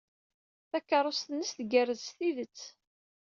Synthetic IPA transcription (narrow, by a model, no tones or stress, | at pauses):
θækːɑɾˤost̪ənːəsθɡærəzsθiðət͡sː